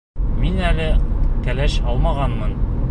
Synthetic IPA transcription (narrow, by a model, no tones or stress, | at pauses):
minælɘkælæɕɒlˠmɑʁɑnmɤn